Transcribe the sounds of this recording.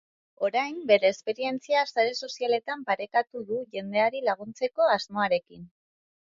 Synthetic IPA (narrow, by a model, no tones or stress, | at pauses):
o̞ɾajmbe̞ɾe̞ːspe̞ɾie̞nt͡siasaɾe̞so̞siale̞t̪ampaɾe̞kat̪uðuʝe̞nd̪e̞aɾilaɣ̞unt͡se̞ko̞azmo̞aɾe̞kin